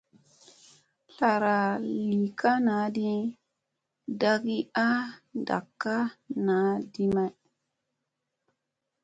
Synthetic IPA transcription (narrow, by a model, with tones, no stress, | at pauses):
ɬa˨ɾa˨li˨ka˦na˨˦di˦ | da˦ɡi˦a˦nda̰˨kːa˦na˨˦di˦ma˦j